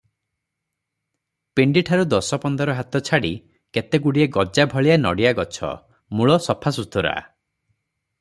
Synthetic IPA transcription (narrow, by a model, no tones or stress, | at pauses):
peɳɖiʈʰaɾud̪ɔsɔpɔnd̪ɔɾɔɦat̪ɔt͡ʃʰaɽi | ket̪eɡuɽieɡɔd͡ʒabʱɔɭijanɔ̰ɽiaɡɔt͡ʃʰɔ̰ | muɭɔsɔpʰasut̪ʰuɾa̰